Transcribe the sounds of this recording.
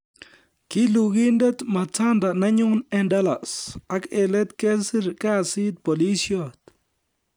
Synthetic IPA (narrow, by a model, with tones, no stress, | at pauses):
ki˦lu˨ɣi˦nde˦t̪ma˨t͡sa˦nd̪a˨na˦ɲʊ˦nɛ˦nda˦la˨sa˦kɛ˨lɛ˦t̪ke˦si˦ɾka˦˨si˦t̪̚po˨li˦sjot̪